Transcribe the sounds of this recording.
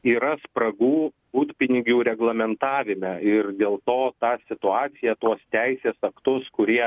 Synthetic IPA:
iːɾɐspɾɐɡuː | buːt̪pʲɪnʲɪɡʲuːɾʲɛɡlˠɐmʲɛnt̪ɑːʋʲɪmʲɛɪɾd̪ʲeːlˠt̪oːt̪ɑːsʲɪt̪ʊɑːt̪sʲɪjɛt̪uɔst̪ʲɛɪsʲeːsɐkt̪ʊskʊɾʲiɛ

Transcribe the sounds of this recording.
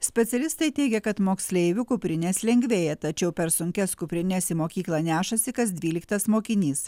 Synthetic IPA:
sʲpʲɛt̪sʲɛlʲɪst̪ɐɪt̪ʲɛɪɡʲɛkɐt̪moːksʲlʲɛɪʋʲʊkʊpʲɾʲɪnʲɛslʲɛŋʲɡʲʋʲeːjɛt̪ɐt͡ʃʲɛʊpʲɛɾsʊŋʲkʲɛskʊpʲɾʲɪnʲɛsʲimoːkʲiːklˠɐnʲæːʃɐsʲɪkɐsd̪ʲʋʲiːlʲɪkt̪ɐsmoːkʲɪnʲiːs

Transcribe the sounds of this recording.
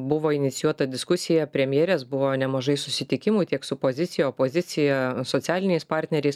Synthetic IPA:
bʊʋoːɪnʲɪt̪ʲɪjuɔt̪ɐd̪ʲɪskʊsʲɪjɛpʲɾʲɛmʲjeːɾʲeːsbʊʋoːnʲɛmɐʒɐɪsʊsʲɪt̪ʲɪkʲɪmʊt̪ʲiɛksʊpoːzʲɪt̪sʲɪjɛoːpoːzʲɪt̪sʲɪjɛsoːt̪sʲæːlʲɪnʲɛɪspɑɾʲt̪ʲnʲɛɾʲɛɪs

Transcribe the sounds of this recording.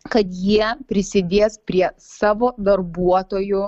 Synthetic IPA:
kɐt̪jiɛpʲɾʲɪsʲɪd̪ʲeːspʲɾʲiɛ | sɑːʋoːd̪ɐɾbuɔt̪oːjʊ

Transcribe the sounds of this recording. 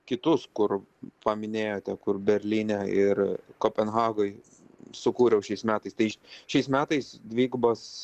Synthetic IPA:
kʲɪt̪ʊskʊrpɐmʲɪnʲeːjoːt̪ʲɛkʊrbʲɛɾʲlʲiːnʲɛɪrkoːpʲɛnɣɑːɡoɪ | sʊkuːɾʲɛʊʃʲɛɪsmʲæːt̪ɐɪst̪ɐɪʃʲɛɪsmʲæːt̪ɐɪsd̪ʲʋʲiːɡbɐs

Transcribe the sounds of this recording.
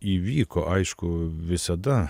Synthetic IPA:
iʋiːkʰɔʔɑjʃkʊʋɪsɐd̪ɐ

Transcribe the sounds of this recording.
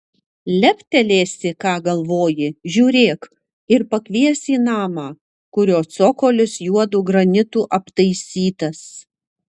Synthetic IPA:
lʲɛpʲt̪ʲɛlʲeːsʲɪkɑːɡɐlˠʋoːjɪʒʲuːɾʲeːk | ɪɾpɐkʲʋʲiɛsʲiːnɑːmɑː | kʊɾʲoːsoːkoːlʲʊsjuɔd̪uːɡɾɐnʲɪt̪uːʔɐpt̪ɐɪsʲiːt̪ɐs

